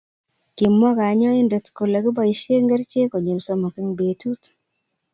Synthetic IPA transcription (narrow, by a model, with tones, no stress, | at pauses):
ki˨mːɔ˦ɡa˨˦ɲɔ˦i˦nde˨tko˨la˨ɡɪ˦ba˦i˨ʃe˦ŋɡa˦ɾt͡ʃe˦ko˨ɲe˨lsɔ˦mo˨ke˦ŋbe˨tu˦t